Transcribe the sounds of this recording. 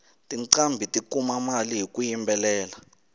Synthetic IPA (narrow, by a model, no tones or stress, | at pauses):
tʼiǀambʱitʼikumamaliɦik̬ʼujimbʱɛlɛːla